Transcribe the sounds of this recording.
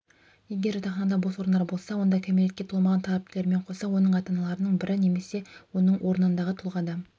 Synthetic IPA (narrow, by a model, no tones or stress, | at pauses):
jeɡʲe̞ɾʊt̪ʰɑχnɑd̪ɑboswo̞ɾnd̪ɑɾbo̞lˠsɑwo̞nd̪ɑkʲʰemelɪt̪kʲe̞t̪ʰolˠmɑʁɑnt̪ʰɑlˠɑp̚t̪ʲɪleɾme̞ɴqʰo̞sɑwo̞nəɴɑt̪ɑnɑlˠɑɾənəɴbɪɾɪne̞me̞se̞wo̞nəɴwʔo̞ɾənənd̪ɑʁət̪ʰʊlˠʁɑd̪ə